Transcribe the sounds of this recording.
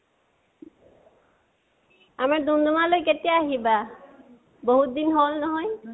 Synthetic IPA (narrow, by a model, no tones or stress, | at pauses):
amaɹd̪und̪umalojket̪ijaaɦiba | boɦut̪̚d̪inɦolnɔɦɔj